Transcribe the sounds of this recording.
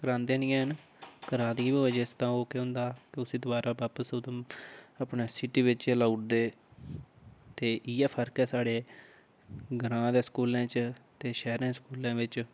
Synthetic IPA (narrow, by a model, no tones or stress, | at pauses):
kəɾãːnd̪eːnĩːɛːɦən | kəɾãːd̪iːbioːeːd͡ʒeːst̪ãːoːkeːɦʊ̃nd̪aːkɪʊsĩːd̪ʊbaːɾaːbaːpəsʊd̪əməpneːsɪʈiːʋɪt͡ʃɛlauʈd̪eː | t̪eːʔiɛːpʰəɾkɛːsaːɽeː | ɡəɾãːd̪eːskuːlãːt͡ʃt̪eːʃɛːɦɾãːskuːlãːʋɪt͡ʃ